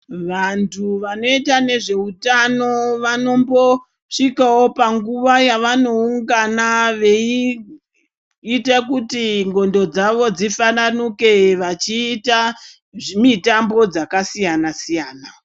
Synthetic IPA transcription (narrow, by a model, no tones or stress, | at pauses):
ʋantʰuʋano̞itane̞ʐe̞utano̞ʋano̞mbo̞ | ʂikawo̞paŋɡuʋajaʋano̞uŋɡanaʋe̞i | itakutiŋɡo̞ndo̞d͡zaʋo̞d͡zifananuke̞ʋat͡ʃiːta | mitambo̞d͡zakasijanasijaːna